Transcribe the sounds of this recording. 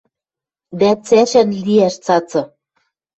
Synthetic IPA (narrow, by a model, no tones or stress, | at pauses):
d̪æt͡sæʃænliæʃt͡sɑt͡sɤ̆